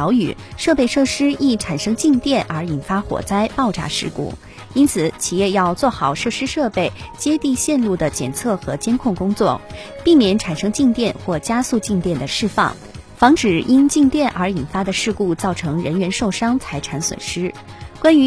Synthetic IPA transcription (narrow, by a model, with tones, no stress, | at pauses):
ʊy̰˨˩ʂɤ˥˧pe˥˧ɪʂɤ˥˩ʂɻ̩˥i˥˩ʈ͡ʂʰa˨˩nʂɤ˥ŋt͡ɕi˥˧ŋt̪jɛ˥˩nʔə˞˧˥i˨˩nfa˥xwɔ̰˨˩t͡sa˥ɪpɑ˥˩ʊʈ͡ʂa̰˧˥ʂɻ̩˥˧kṵ˥˩ | i˥nt͡sʰɹ̩˨˩˦t͡ɕʰi˨˩jɛ˥˧jɑ˥˧ʊt͡swɔ˥˩xɑ˨˩ʊʂɤ˥˩ʂɻ̩˥ʂɤ˥˧pe˥˩ɪt͡ɕjɛ˥t̪i˥˧ɕjɛ˥˧nlu˥˩d̪ə˩t͡ɕjɛ̰˨˩nt͡sʰɤ˥˩xɤ˧˥t͡ɕjɛ˥nkʰʊ˥˩ŋkʊ˥ŋt͡swɔ˥˩ | pi˥˩mjɛ˧˥nʈ͡ʂʰa˨˩nʂɤ˥ŋt͡ɕi˥˧ŋt̪jɛ˥˧nxwɔ˥˩t͡ɕja˥su˥˧t͡ɕi˥˧ŋt̪jɛ˥˩nd̪ə˩ʂɻ̩˥˧fɑ̰˥˩ŋ | fɑ˧˥ŋʈ͡ʂɻ̩˨˩i˥nt͡ɕi˥˧ŋt̪jɛ˥˩nʔə̰˞˧˥i˨˩nfa˥d̪ə˨ʂɻ̩˥˧ku˥˧t͡sɑ˥˩ʊʈ͡ʂʰɤ˧˥ŋɻə˧˥nɥɛ˧˥nʂo˥˩ʊʂɑ˥ŋt͡sʰa˧˥ɪʈ͡ʂʰa˧˥nswə̰˨˩nʂɻ̩˥ | kwa˥ny˧˥